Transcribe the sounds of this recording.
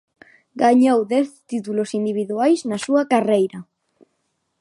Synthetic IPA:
ɡaɲowðɛθt̪it̪ulosind̪iβ̞iðuajsnasuɐkarejɾɐ

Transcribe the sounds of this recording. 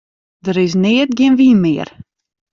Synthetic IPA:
dəɾɪs̬neːət̚ɡɪənʋiːnmɪːər

